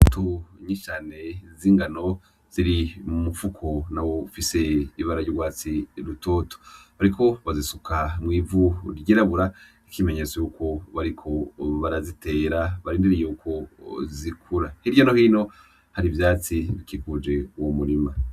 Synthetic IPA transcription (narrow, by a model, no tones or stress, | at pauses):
tʰuɲit͡ʃane̞ziːŋɡano̞ | z̥iɾimufukʰo̞nawo̞fise̞iβaɾaɟoɡwaːt͡siɾuto̞ːto̥βaɾikʰo̞βazisukʰamŋiːvuɾiɟeɾaβuɾa | ikime̞ɲet͡sojukʰo̞βaɾikʰo̞βaɾazite̞ːɾaβaɾiːndiɾijeukʰo̞zikʰuɾahiɾjonohiːno̞ | haɾivjaːt͡siβikikud͡ʒe̞uwomuɾima